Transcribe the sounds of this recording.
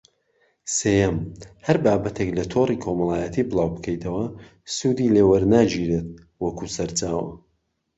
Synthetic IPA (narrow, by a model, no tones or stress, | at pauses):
seːjɛmhɐɾbaːbɐt̪ʰeklɐt̪ʰorikʰomɐlˠaːjət̪ʰiːbɨlˠaːwbɨkʰɐjt̪ʰɐwɐ | sud̪ileːwɐɾnaːd͡ʒiːɾet̪̚ | wɐkʰusɐɾt͡ʃaːwɐ̰